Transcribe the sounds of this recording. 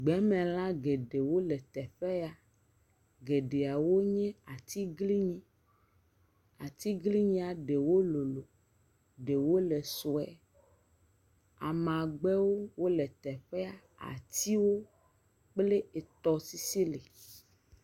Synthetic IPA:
ɡ͡bɛ˨˦mɛ̃˨l̃ã˦ɡe˨ɖe˨wo˦lɛ˨t̪ɛ˨ɸɛ˦a˨ | ɡe˨ɖe˨a˨wo˦ɲɛ̃˦a˨t̪i˦ɡli˦ɲĩ˦ | a˨t̪i˦ɡli˦ɲĩ˦a˨ɖe˨wo˦lo˨lo˨ | ɖe˨wo˦le˨so˨ɛ˨ | a̰˨mã˨ɡ͡bɛ˦wo˦wo˦lɛ˨t̪ɛ˨ɸɛ˦a˨ | a̰˨t̪i˦wo˦ | k͡ple˦e˨t̪ɔ˨si˦si˦le˨

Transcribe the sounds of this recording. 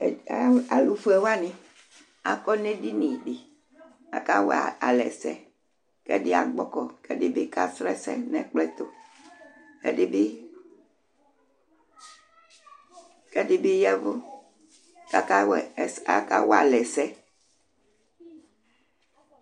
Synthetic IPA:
a˦˨a˨lu˨fɛ˨wa˦nĩ˨ | a̰˨kɔ˦ne˦di˦nĩ˨ɖi˨ | a̰˨ka˦wɛ˦˨a˨a˨lɛ˨sɛ̰˦ | kɛ̰˦di˦a̰˨ɡ͡bɔ˦kɔ˨kɛ˦di˦bi˦ka˦sɾɛ˦sɛ̰˦nɛ̰˨k͡plɛ˦t̪o˨ | ḛ˦di˦bi˦ | kɛ˦di˦bi˦jɛ˦vo˦ | ka˦ka˦wɛ˨sa˨ka̰˦wa̰˨lɛ˨sɛ˦

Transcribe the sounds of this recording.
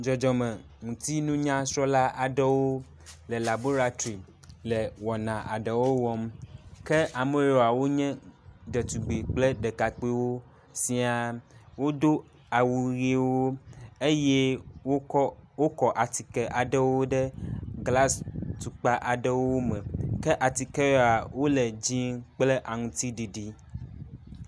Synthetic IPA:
d͡ʒɔ˨d͡ʒɔ˨mɛ̃˨ | ŋũ˨t̪i˦nũ˦ɲã˦sɾɔ˦la˦ʔa˨ɖɛ˦wo˦ | lɛ˨la˨bo˦ɾa˨t̪i˨ | lɛ˨wɔ˨nã˨ʔa̰˨ɖɛ˨wo˦wɔ˦mkɛ˦ʔa˨mẽ˦jo˨a˨wo˦ɲɛ̃˦ɖɛ˨t̪u˨ɡ͡be˨k͡plɛ˦ɖɛ˨ka˨k͡pi˦wo˦ | sĩ˦a˨wo˦d̪o˦ | a˨wu˨ɣi˦wwo˦e˦jɛ˦wo˦wo˦kɔ˨ʔa˨t̪i˨kɛ˨ʔa˨ɖɛ˦wo˦ɖɛ˦ɡla˦st̪u˨k͡pa˦ʔa˨ɖɛ˦wo˦mɛ̃˨kɛ˦ʔa˨t̪i˨kɛ˦wo˦a˨wo˦lɛ˨d͡ʑi˦ŋk͡plɛ˦ʔa˨ŋũ˦t̪i˦ɖi˨ɖi˦

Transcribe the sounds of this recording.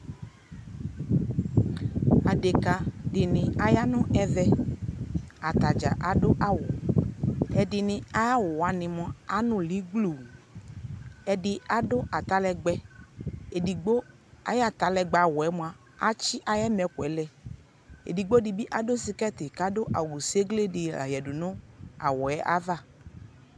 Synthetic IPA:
a˨de˨ka˨dɪ˨nɪ̃˨a˨ja˦nɔ̃˦ʔɛ˦vɛ˧ | a˨t̪a˨d͡ʒa̰˨ʔa˨do˦ʔa˦wʊ˨ | ɛ˨dɪ˨nɪ̃˨˦a˦ja˦wʊ˨wa˨˦nɪ̃˨mɔ̃˦a˨˦nʊ̃˦li˨˦ɡ͡blu˨ | ɛ˨dɪ˧a˦do˦ʔa˨t̪a˦lɛ˧ɡ͡bɛ˦ | e˨di˨ɡ͡bo˦ | a̰˨jɛ˦a˨t̪a˨lɛ˨ɡ͡ba˨wɔ˨ɛ˦mũ˨a˨ | a˦t͡ʃi˦ʔa˨jɛ˦mɛ˨ku˨ɛ˨˦lɛ˦ | ḛ˨di˨ɡ͡bo˦di˨bi˦ʔa˦do˦si˦kɛ˦t̪i˨ka˦do˦ʔa̰˨wu˨se˦ɡle˦dɪ˨a̰˨jɛ˨du˨nʊ̃˦a̰˨wɔ˨ɛ˦ʔa̰˦va˦˨

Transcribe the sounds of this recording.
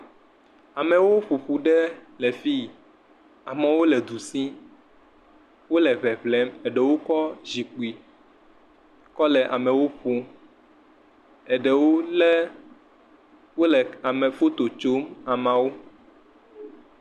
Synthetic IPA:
a˨mɛ̃˨wo˦ɸu˨ɸu˨ɖɛ˦lɛ˨fi˦ | a˨mɛ̃˨wo˦lɛ˨d̪u˨sĩ˦ | wo˦lɛ˨βɛ˨βlɛ˨˦mɛ˨ɖɛ˨wo˦kɔ˦zi˨k͡pi˨ | kɔ˦lɛ˨ʔa̰˨mɛ̃˨wo˦ɸu˦ | ɛ˨ɖɛ˨wo˦lɛ˦ | wo˦lɛ˨a˨mɛ̃˨fo˦t̪o˨t͡ʃo˦ma˨mã˨wo˦

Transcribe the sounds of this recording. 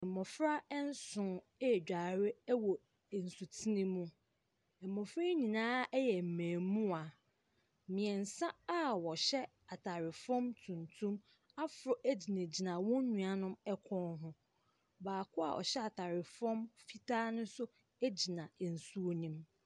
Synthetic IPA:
ɛ̃˨mɔ˨fɾa˦ɛ˦n̩˦sʊ̃˨˦˨ | d͡ʑᶣa˨ɾɪ˦wɔ˨ | n̩˨su˨tʰi˦nĩ˦mũ˦ | ɛ˨mːɔ̃˨fɾa˦ɲĩ˨nãː˦ɛ˦jɛ˨m̩˨mæ̃ː˨mũ˦a˨ | mĩ˨ɛ˨n̩˨sã˦a˦wɔ˨ɕɛ˦ | a˨tʰa˨ɾɪ˨fɔ̃˦mtʰũ˨ntʰũ˦m | a˦fʊ˨ɾɔ˨ʔæ˦d͡ʑi˨nẽ˨d͡ʑi˨nã˨wɔ̃˦ɲũ˨a˨nʊ̃˦mɛ˦kʷʰɔ̃˦nɦʊ̃˦ | baː˨kʰʊ˦a̰˨ʔɔ̰˨ɕɛ˦a˨tʰa˨ɾɪ˨fɔ̃˦mfi˦tʰaː˦nʊ̃˦sʊ˦ | æ˦d͡ʑi˨nã˨n̩˨su˦o˦nĩ˦m

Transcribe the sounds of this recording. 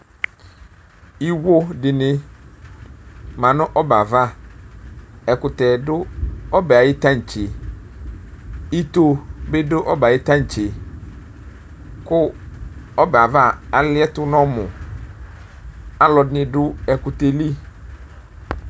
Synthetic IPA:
i˦wo˦dɪ˨nɪ̃˦ | mã˨nʊ̃˦ʔɔ˦ba˨va˦˨ | ɛ˨kʊ˨t̪ɛ˨dʊ˦ɔ˦bɛ˨a˨jɪ˦t̪ã˦ɲ̩˨t͡ɕɪ˨ | i˦t̪o˦be˦dʊ˦ʔɔ˦ba˨jɪ˦t̪ã˦ɲ̩˨t͡ɕɪ˨ | kʊ˦ | ɔ˦bɛ˨a˨va˦a˨lɪ˦ɛ˦tʊ˦nɔ̃˦mʊ̃˨ | a˨lɔ˨dɪ˦nɪ̃˨dʊ˦ɛ˨kʊ˨t̪e˨li˦

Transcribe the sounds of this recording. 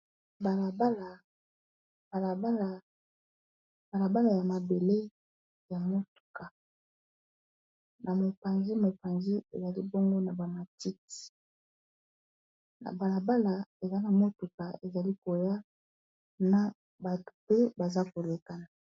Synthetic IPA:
ba˨la˨ba˦la˨ | ba˨la˨ba˦la˨ | ba˨la˨ba˦la˨ja˨ma˨be˨le˦ | ja˨mo˦tu̥˨ka˨ | na˨mo˨pa˨nzi˦mo˨pa˨nzi˦ḛ˨za˨li˦bo˦ŋɡo˦na˨ba˨ma˨ti˦ti̥˨ | na̰˨ba˨la˨ba˦la˨e˨za˦na˨mo˦tu˨ka˨e˨za˨li˦ko˨ja˦ | na˨ | ba˨to̥˨pe˦ba˨za˦ko˨le˨ka˨na˨

